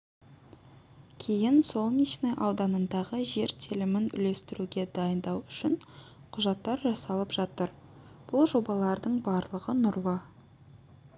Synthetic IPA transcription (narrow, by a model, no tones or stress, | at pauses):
kʲʰe̞jɪnso̞lˠniʃnejʔɑwd̪ɑnənd̪ɑʁəʒe̞ɾt̪ʲʰilɪmɪnʏ̰le̞st̪ɪɾuɡʲe̞d̪ɑjənd̪ɑwʏʃɪn | qʰʊʒɑt̪ːɑɾʒɑsɑlˠəpʒ̥ɑt̪əɾ | b̥ʊlˠʒo̞bɑlˠɑɾd̪əɴbɑɾlˠəʁənʊɾlˠə